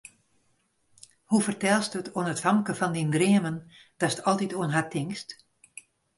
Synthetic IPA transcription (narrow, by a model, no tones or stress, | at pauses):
hufərtɛlˠstətʰoənətfɑmkəfɔndindriəmən | d̥ɔsə̥tʰɔlˠtitoənɦatʰːɪŋst